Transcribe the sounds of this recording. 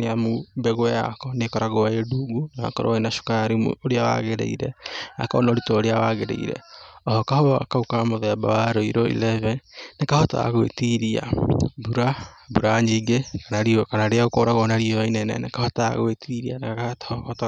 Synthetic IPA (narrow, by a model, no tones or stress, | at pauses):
eamubɛɣoɛja̰kɔnekɔɾaɣoaeduɡunaa̰kɔɾo̰enaʃu̥kaɾim̰oɾeawa̰ɣeɾḛiɾɛna̰kɔ̰naoɾitoːɾeawaɣeɾḛḭɾɛ̰ɔhɔkahɔa̰kaukamoðɛba̰waɾoiɾoḭlɛvɛnekahɔta̰a̰ɣwḛtiɾia̰buɾa | buɾaɲiɡekanaɾiokanaɾeaɣokoɾaɣonaɾiojainɛnɛ̰nekahɔtaa̰ɣwetiɾianakaatt